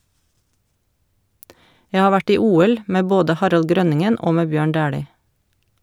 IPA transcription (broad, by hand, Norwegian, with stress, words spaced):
ˈjæ ˈhɑː ˈʋæʈ ˈiː ˈuːɛl ˈmeː ˈboːdə ˈhɑɾɑl ˈɡɾœnɪŋən ˈoː ˈmeː ˈbjøːɳ ˈdæːɽiː